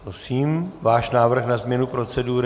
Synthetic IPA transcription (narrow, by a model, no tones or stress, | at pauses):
pɾosiːmvaːʃnaːvr̩xnazmɲɛnupɾo̞t͡sɛduːɾ